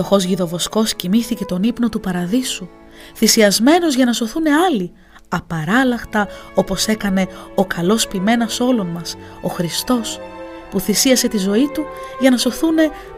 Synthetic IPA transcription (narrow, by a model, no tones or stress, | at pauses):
o̞xo̞zʝiðo̞vo̞sko̞scimiθice̞t̪o̞nipnot̪upɐɾɐðisu | θisiɐzme̞no̞zʝɐnɐso̞θune̞ɐli | ɐpɐɾɐlɐxt̪ɐo̞po̞se̞kɐne̞o̞kɐlo̞spime̞nɐso̞lo̞nmɐs | o̞xɾist̪o̞s | puθisiɐse̞t̪izo̞it̪uʝɐnɐso̞θune̞